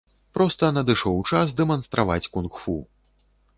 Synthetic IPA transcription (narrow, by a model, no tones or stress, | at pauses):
pɾɔst̪ɐnɐd̪ɨʂɔwt͡ʂasd̪ɛmɐnst̪ɾʔava̰t͡sʲkunxfu